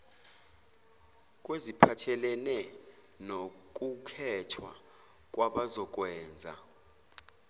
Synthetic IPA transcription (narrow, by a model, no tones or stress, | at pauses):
k̬ʼwezipʰatʰɛlɛnɛ | nok̬ʼukʰɛtʰwa̰ | k̬ʼwaɓazɔk̬wɛːnd͡zʱa̰